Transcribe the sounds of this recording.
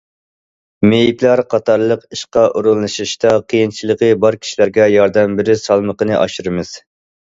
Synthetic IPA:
mejiplˠæɾqʰɑt̪ʰɑɾlˠəqiʃqɑʔuɾulˠːɨʃiʃt̪ɑqʰijint͡ʃʰilˠəqəbɑɾkʲʰi̥ʃilæɾɡʲɛjɑɾd̪ɛmbɪɾɪsɑlˠməqənɨʔɑ̰ʃuɾɨmɨz̥

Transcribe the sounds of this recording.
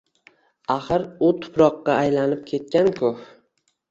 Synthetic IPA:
aχɨɾʊt̪ʰʊ̥pɾɒqːɑːjlanɪp̚kʲʰe̞t̪̚kʲankʰʊh

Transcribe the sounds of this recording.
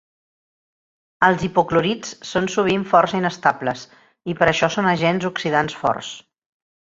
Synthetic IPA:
əlˠzipukluɾit͡ssonsuβ̞iɱfɔrsəinəst̪abləs | ipəɾəʃɔsonəʒɛnzuksiðansfɔ̰rs

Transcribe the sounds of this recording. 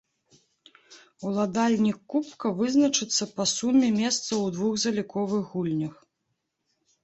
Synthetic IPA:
ulˠad̪alʲnʲikːupkɐvɨznɐt͡ʂɨt̪sːɐpɐsumʲɛmʲɛst̪sɐwd̪vuɣzɐlʲikɔvɨɣːulʲnʲɐx

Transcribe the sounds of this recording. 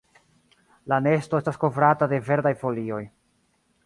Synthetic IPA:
lane̞sto̞e̞stasko̞vɾatade̞ve̞ɾdajfo̞lio̞j

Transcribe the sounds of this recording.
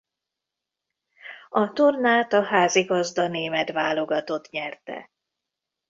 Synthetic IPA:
ɒt̪ornaːt̪ɒɦaːziɡɒzd̪ɒneːmɛt̪vaːlo̞ɡɒt̪o̞t̪ɲɛrt̪ɛ̰

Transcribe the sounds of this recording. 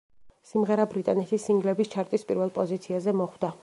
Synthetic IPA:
simʁɛɾabɾit̪ʼanɛt̪ʰisiŋɡlɛbist͡ʃʰaɾt̪ʼispʼiɾvɛlˠpʼɔzit̪sʰiazɛmɔχwd̪a

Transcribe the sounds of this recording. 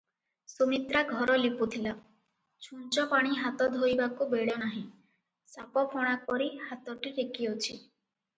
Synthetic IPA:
somit̪ɾaɡʱɔɾɔliput̪ʰila | t͡ʃʰunt͡ʃɔpaɽ̃iɦat̪ɔd̪ʱojbakubeɭɔnaɦĩ | sapɔpʰɔɽ̃ak̚ɔɾihat̪ɔʈiɾekiot͡ʃʰi

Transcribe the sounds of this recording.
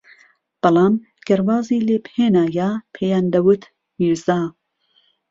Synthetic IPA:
b̥ɨlˠɑːm | ɡ̥ɐɾwɑːziːleːpheːnaːjaːpʰejand̪ɐwɨt̪ | miːɾzaː

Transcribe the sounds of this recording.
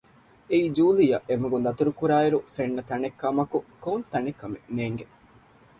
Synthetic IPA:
eiːd͡ʒuːlijɐʔemuɡund̪ɐt̪uɾukuɾaːeɾufenːɐt̪ɐnekːɐmɐkukoːnt̪ɐnekːɐmeneːŋɡe

